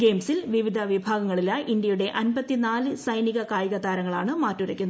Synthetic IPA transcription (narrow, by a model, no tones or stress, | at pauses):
ɡe̞ːmsilʋiʋid̪ʱɐʋibʱaːɡɐŋːɐɭilaʔind̪jɐjuɽe̞ʔɐnbɐt̪ːinaːlɨsɐjniɣɐkaːjɐɣɐd̪aːɾɐŋːɐɭaːɳɨmaːtːuɾɐkʲːunː